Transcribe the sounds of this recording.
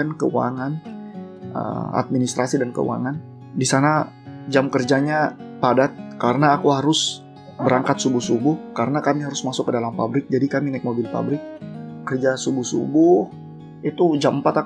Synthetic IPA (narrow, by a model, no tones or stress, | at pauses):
ənkəua̰ŋan | ʔə̰a̰t̪̚minist̪ɾasidankə̰ṵwa̰ŋan | disana | d͡ʒamkərd͡ʒaɲapadat̪̚kaɾənaːkuɦaɾʊs | bəɾaŋkat̪̚subʊhsubʊhkaɾənakamiɦaɾʊsmasʊkːədalampabɾɪk̚d͡ʒadikaminaɪk̚mobɪlpa̰bɾɪk̚ːərd͡ʒasubʊhsṵbʊh | it̪ud͡ʒaməmpat̪a